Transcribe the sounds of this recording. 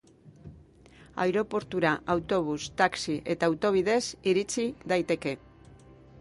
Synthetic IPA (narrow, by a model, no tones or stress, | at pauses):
a̰jɾo̞po̞ɾt̪uɾaʔawt̪o̞β̞ust̪aksiʔe̞t̪aːwt̪o̞β̞iðe̞siɾit͡siðajt̪e̞ke̞